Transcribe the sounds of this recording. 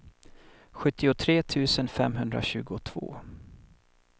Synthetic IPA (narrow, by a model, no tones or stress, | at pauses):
ɧɵt̪ːɪʊt̪ʰɾeːt̪ʰʉ̟ːsənfɛmɦɵnd̪ɾa̰ɕʉ̟ːɡʊt̪ʰv̥o̰ː